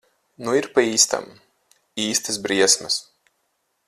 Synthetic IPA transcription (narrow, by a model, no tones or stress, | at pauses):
nuiɾpaiːst̪a̰m | iːst̪ɨsbɾiɛsmɐs